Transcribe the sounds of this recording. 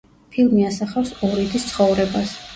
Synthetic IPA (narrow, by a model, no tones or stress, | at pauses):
pʰilˠmiasaχawsɔɾid̪ist̪sʰχɔvɾɛbas